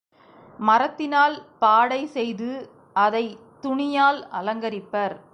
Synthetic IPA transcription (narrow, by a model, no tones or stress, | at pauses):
mɐɾɐt̪ːɪnaːlpaːɽɐɪsɛjðɯ | ɐðɐɪ | t̪ʊɳɪjaːlɐlɐŋɡɐɾɪpːɐɾ